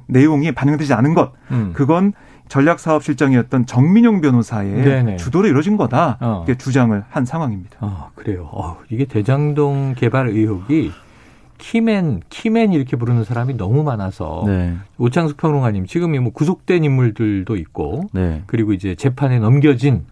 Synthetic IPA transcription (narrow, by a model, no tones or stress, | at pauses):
ne̞joŋipaɲjʌŋded͡ʑianɯnɡʌt̚kɯɡʌn | t͡ɕʌʎːak̚s͈ʰaʌp̚ɕʰiɭt͡ɕ͈ʌŋiʌt̚t͈ʌnt͡ɕʌŋmiɲoŋbjʌnosʰae̞enet͡ɕudoɾɯiɾʌd͡ʑinɡʌdaiɡet͡ɕud͡ʑaŋɯɭhansʰaŋɦwaŋimɲid̥ḁakɯɾe̞joʌ̰iɡe̞te̞d͡ʑaŋdoŋke̞baɾɯɦoɡi | kʰimenkʰime̞niɾʌkʰe̞p̬uɾɯnɯnsʰaɾaminʌmumanasʰʌ̰neot͡ɕʰaŋsʰu̥pʰjʌŋɾoŋwaɲimt͡ɕiɡɯmimʌkusʰok̚t͈e̞nimːuɭdɯɭdoit̚k͈o̰nekɯɾiɡoid͡ʑe̞t͡ɕe̞pʰane̞nʌmɡjʌd͡ʑin